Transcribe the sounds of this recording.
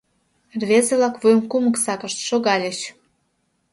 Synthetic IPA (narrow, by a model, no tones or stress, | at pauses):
rβezeβlɑkvojmkumə̆ksɑkə̆ʃt̪ʃoɣɑlʲeɕ